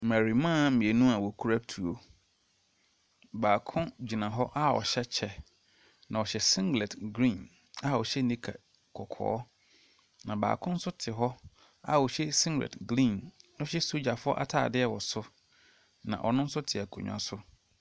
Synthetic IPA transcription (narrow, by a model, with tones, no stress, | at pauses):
mæ˨ɾi˨mã˦˨˦mĩ˨e˨nũ˦a˨wɔ˨kʰu˦ɾa˦tʰu˨o˦ | baː˨kʰʊ̃˦d͡ʑi˨nã˨ɦɔ˦ʔa˦ɔ̰˨ɕɛ˦t͡ɕʰɛ˦ | nã˨ɔ˨ɕɛ˨sɪ̃˦ŋɡlɛ˨tɡɾĩ˦˨n | a˦˨ɔ˨ɕɛ˦nĩ˦kʰa̰˨ | kʰɔ˨kʰɔ̰ː˦ | nã˨ba̰ː˨kʰʊ̃˦n̩˦sʊ˦tʰɪ˨ɦɔ˦ | a̰˦˨wɔ˨ɕɛ˦sɪ̃˦ŋɡlɛ̰˨tɡlĩː˦˨nnʊ̃˦ɕɛ˦so˦d͡ʑa˨fʊ˦ɔ˦ʔa̰˦tʰa̰ː˨dɪ˦ɛ˦wɔ˨sʊ˦ | nã̰˨ʔɔ˨nʊ̃˦n̩˦sʊ˦tʰɪ˨æ˨kʰṵ̃˨ɲᶣ˨a̰˨sʊ˦